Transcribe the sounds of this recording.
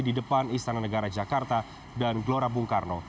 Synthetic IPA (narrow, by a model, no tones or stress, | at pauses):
didəpanist̪ananəɡaɾad͡ʒakart̪a | danɡloɾabuŋkarno